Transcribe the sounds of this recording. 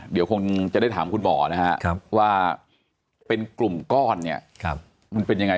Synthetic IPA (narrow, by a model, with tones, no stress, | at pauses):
di˨˦wkʰo˧ŋt͡ɕa˨daː˥˩jt̪ʰːmkʰu˧nbɔ̰ː˨˩˦na˦˥ka̰˦˥ʔʰa˦˧˩pwaː˥˩ | pe˧nklu˨˩mkɔː˥˩nːi˦˥˩ɐk̚ʰ | ma˧npe˧nja˧ŋa˧˩